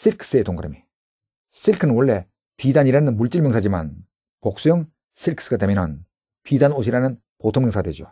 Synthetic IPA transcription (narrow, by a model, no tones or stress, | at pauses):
s͈ʰiɾkʰs͈ɯetoŋɡɯɾemi | s͈ʰiɾkʰɯnɯnwʌɭːe̞ | pidaɲiɾanɯnmuɭt͡ɕ͈iɭmeŋsʰad͡ʑima̰n | pok̚s͈ujoŋ | sʰiɾkʰs͈ɯɡademjʌnɯn | pidanoɕ̬ʰiɾanɯn | potʰoŋmeŋsʰadwed͡ʑo̰